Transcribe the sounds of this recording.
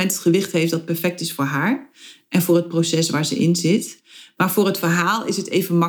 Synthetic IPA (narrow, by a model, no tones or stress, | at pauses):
ɛntətχəʋɪχtɦejfdɑt̚pɛɹfɛk̚tɪsfʊːɹɦaːɹʔɛnvʊːɹɦət̚prosɛsʋaːɹzə̰ʔɪ̰nzɪt | maːɹvʊːɹɦətfəɹɦaːlˠɪsɦətejvənmɑ